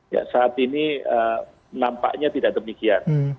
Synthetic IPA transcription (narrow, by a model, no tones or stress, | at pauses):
ja̰saːt̪iniə | nampa̰ʔɲat̪idaʔdəmikian